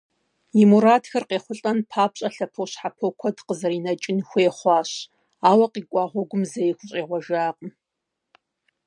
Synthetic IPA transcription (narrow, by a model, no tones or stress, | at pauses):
imuɾaːtxɐrqeːχʷʊɬʼɐnpʰaːpɕʼɐɬɐpʰowɕħapʰokʷʰɔdqəzɐriːnɐt͡ʃʼɪnxʷeːχʷɑːɕ | aːwɐqiːkʷʼɑːʁʷɔɡʷʊmzɐjexʷʊɕʼeːʁʷɔʒaːqʼəm